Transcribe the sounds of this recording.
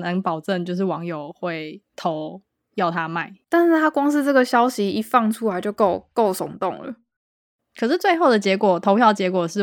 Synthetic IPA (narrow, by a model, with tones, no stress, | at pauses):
nə˧˦ŋpɑ˨˩ʊʈ͡ʂə˥˨nt͡ɕjo˥˧ʊʂ̬ɻ̩˥˩wɑ˧˥ŋjo˨˩ʊxwe˥˩ɪt̪ʰo˧˦ʊ | jɑ˥˩ʊt̪ʰa˦ma˥˩ɪt̪a˥˧nʂɻ̩˥˩t̪ʰa˥kwɑ˥ŋs̬̩˥˧ʈ͡ʂɤ˥˩ɡə˩ɕjɑ˥ʊɕi˧˥i˧˥fɑ˥˩ŋʈ͡ʂʰu˥la˧˥ɪt͡ɕjo˥˧ʊko˥˩ʊko˥˩ʊsʊ̰˨˩ŋt̪ʊ̰˥˩ŋlə̰˨˩ | kʰɤ˨˩ʂɻ̩˥˩t͡swe˥˧ɪxo˥˩ʊd̪ə˩t͡ɕjɛ˧˥kwɔ˨˩t̪ʰo˧˥ʊpʰjɑ˥ʊt͡ɕjɛ˧˥kwɔ˨˩ʂɻ̩˥˩